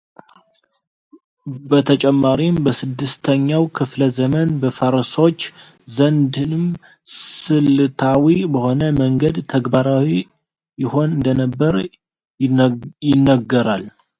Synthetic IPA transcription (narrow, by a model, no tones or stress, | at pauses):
bət̪ʰət͡ʃʼɛmːaɾimbəsɨd̪ːɨst̪ʰəɲːawkʰɨfləzəmənbəfəɾso̞t͡ʃː | zənd̪ɨnɨm | sɨlt̪ʰawibəho̞nəməŋɡəd̪t̪ʰəɡbaɾawi | jɪho̞nɨnd̪ənəbːəɾ | jɪnːəɡːəɾal